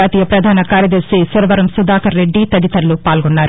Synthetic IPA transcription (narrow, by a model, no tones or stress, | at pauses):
aːt̪iːjɐpɾɐd̪ʱaːnɐkaːɾjɐd̪ɐɾsisuɾɐʋɐɾɐmsud̪aːkɐɾːe̞ɖːit̪ɐd̪it̪ɐɾlupaːlɡonːaːɾu